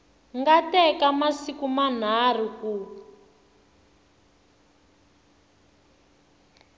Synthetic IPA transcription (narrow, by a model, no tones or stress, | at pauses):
ŋɡatɛkamasikuman̤ar̤iku